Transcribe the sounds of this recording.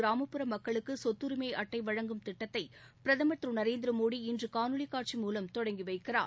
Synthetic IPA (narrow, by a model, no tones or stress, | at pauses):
ɾaːmɐpːɯɾɐmːɐkːɐɭɯkːɯsɔt̪ːɯɾɯmeɪʔɐʈːɐɪʋɐɻɐŋɡɯmt̪ɪʈːɐt̪ːɐɪ | pɪɾɐðɐmɐt̪ɾɯnɐɾeːnd̪ɪɾɐmoːɽiɪndrɯkaːnɯɭikːaːʈ̚t͡ʃimuːlɐmt̪ɔɽɐŋɡiʋɐɪkːɪra̰ːɾ